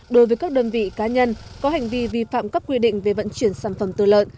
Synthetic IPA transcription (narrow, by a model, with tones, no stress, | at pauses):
ɗo˨˦jvəː˨˦jkaː˦˥k̚ɗə˧nvḭ˧˨kaː˨˦ɲə˧nkɔ˨˦ɦa˨˩jŋ̟vi˧vi˧fa̰ː˧˨mka˦˥p̚kwi˧ɗḭ̈˧˨ŋ̟ve˨˩və̰˧˨nt͡ɕwi˧˩ənsaː˧˩nfə˧˩mt̪ɨ̰˧˨lə̰ː˧˨n